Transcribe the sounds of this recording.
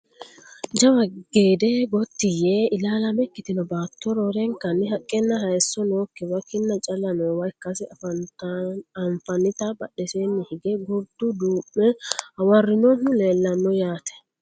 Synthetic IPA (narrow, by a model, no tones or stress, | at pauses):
d͡ʒɐwɐɡeːd̪ɛɡɔt̪ːɪjeɪlaːlɐmɛkːɪt̪ɪnɔbaːt̪ːɔɾoːɾɛŋkːɐnːɪɦɐkʼːɛnːɐɦɐjsːɔnoːkːɛwɐkːɪnːɐt͡ʃʼɐlɐnɔwɐjkːɐsɛ | ɐɱfɐnːɪt̪ɐbɐɗɛseːnːɪhɪɡɛɡʊɾd̪ʊd̪uːmːɛɐwɐrːɪnɔnʊleːlːɐnːɔjaːt̪ɛ̥